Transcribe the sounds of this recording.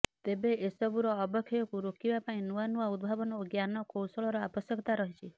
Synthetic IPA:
t̪ebeesɔbuɾɔːbɔkʰːijɔkuɾokibapaĩnuanuaud̪̚bʱabɔnɔuɡjanɔkowsɔɭɔɾɔabɔsjɔkʰɔt̪aɾɔɦit͡ʃʰi

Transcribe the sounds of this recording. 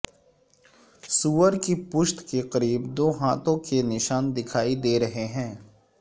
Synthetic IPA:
suːəɾkipʊʃt̪keqɐɾiːbd̪oːɦaːt̪õkenɪʃaːnd̪ɪkʰaːid̪eːɾɐɦeɦɛ̃ː

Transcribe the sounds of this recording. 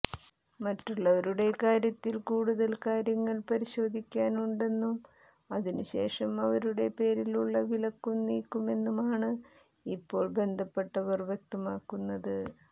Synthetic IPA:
mɐtːuɭːɐʋɐɾuɽe̞kaːɾjɐt̪ːilkuːɽuðɐlkaːɾjɐŋːɐɭpɐɾiɕo̞ːd̪ʱikʲːaːnuɳɖe̞nːum | ɐðinɨɕe̞̰ːʂɐmɐʋɐɾuɽe̞pe̞ːɾiluɭːɐʋilɐkːumniːkːume̞nːumaːɳɨ | ipːo̞ːɭbe̞nd̪ʱɐpːe̞ʈːɐʋɐrʋjek̚t̪ɐmaːkːunːɐðɨ

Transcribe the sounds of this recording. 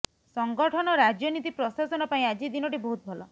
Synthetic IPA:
sɔŋɡɔʈʰɔnɔɾad͡ʒjɔnit̪ipɾɔsasɔnɔpaĩad͡ʒid̪inɔʈibɔɦut̪̚bʱɔlɔ

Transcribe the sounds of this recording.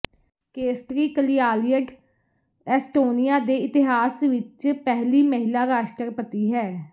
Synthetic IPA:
keːsʈɾiːkəlɪjaːlijəɖ | ɛːsʈoːnijaːd̪eːɪt̪ɪɦaːsʋɪt͡ʃpɛɦliːməɦɪlaːɾaːʃʈəɾpət̪iːɦɛː

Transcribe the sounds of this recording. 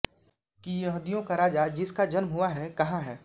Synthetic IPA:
kijɐɦd̪ijõkaɾaːd͡ʒad͡ʒɪskad͡ʒɐnmɦʊaɦɛkɐɦãɦɛː

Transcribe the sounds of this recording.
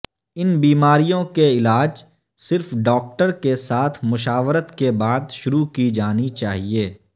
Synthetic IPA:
ɪnbiːmaːɾijõkeɪlaːd͡ʒ | sɪɾfɖɔːk̚ʈəɾkesaːt̪ʰmʊʃaːʋɾət̪kebaːd̪ʃʊɾukid͡ʒaːnit͡ʃaːɦieː

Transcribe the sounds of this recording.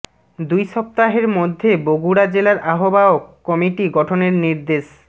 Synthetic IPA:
d̪ujʃɔp̚t̪aɦeɾmod̪ʱːeboɡuɽad͡ʑelaɾʔaɦobaokːɔmiʈiɡɔʈʰoneɾniɾd̪eʃ

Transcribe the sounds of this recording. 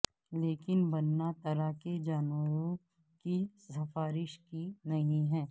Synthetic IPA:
leːkɪnbɐnːat̪ɐɾaked͡ʒaːnəɾõ | kisɐfaːɾɪʃkinɐɦĩɦɛ̃ː

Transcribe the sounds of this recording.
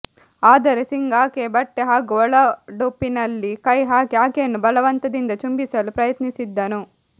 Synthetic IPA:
aːd̪ɐɾesiŋɡaːkeːbɐʈːeɦaːɡɔɭɐɖupːinɐlːikɐjɦaːkeaːkeːnubɐlɐʋɐnt̪ɐd̪ind̪ɐt͡ʃumbisɐlupɾɐjɐt̪nisid̪ːɐnu

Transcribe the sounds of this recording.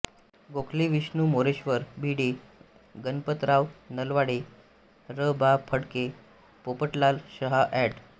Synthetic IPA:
ɡokʰliʋiɕnumoɾeɕʋəɾbʱiɽe | ɡənpət̪ɾaʋnəlʋaɽe | ɾəbapʰəɽke | popəʈlalɕəɦaʔɛʈ

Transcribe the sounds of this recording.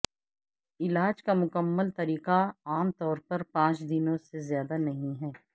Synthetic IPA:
ɪlaːd͡ʒkamʊkəmːəlt̪ɐɾiːqaaːmt̪ɔːɾpɐɾpãːt͡ʃd̪ɪnõsezjaːd̪anɐɦĩɦɛː

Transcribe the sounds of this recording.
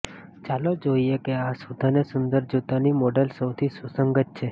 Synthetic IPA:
t͡ʃalod͡ʒoiekeasud̪ʱanesʊnd̪əɾd͡ʒut̪animɔɖəlsəwt̪ʰisusəŋɡətt͡ʃʰe

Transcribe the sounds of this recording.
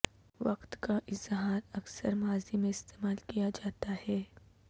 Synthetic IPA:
ʋɐqt̪kaʔɪzɦaːɾɐksəɾmaːzimẽɪst̪eːmaːlkijad͡ʒaːt̪ahɛː

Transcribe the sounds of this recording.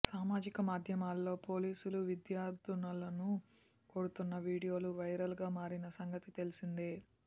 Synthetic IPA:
saːmaːd͡ʒikɐmaːd̪ʱjɐmaːlːo̞ːpo̞ːliːsuluʋid̪jaːɾd̪ʱunɐlɐnu | ko̞ːɽut̪unːɐʋiːɽijo̞ːluʋɐjɾɐlɡaːmaːɾinɐsɐŋɡɐt̪it̪e̞lusind̪eː

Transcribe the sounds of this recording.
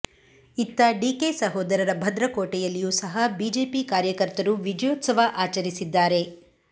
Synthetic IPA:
it̪ːɐɖiːkesɐɦoːd̪ɐɾɐɾɐbʱɐd̪ɾɐkoːʈɛjɐlːijuːsɐɦɐbiːd͡ʒeːpikaːɾjɐkɐɾt̪ɐɾuʋid͡ʒɐjoːt̪sɐʋɐʔaːt͡ʃɐɾisid̪ːaːɾe̞

